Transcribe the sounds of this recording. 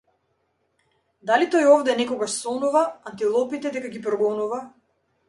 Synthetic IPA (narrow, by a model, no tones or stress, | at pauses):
d̪alit̪ɔjɔvd̪ɛnɛkɔɡaʃsɔnuvaant̪ilˠɔpit̪ɛd̪ɛkaɡipɾɔɡɔnuva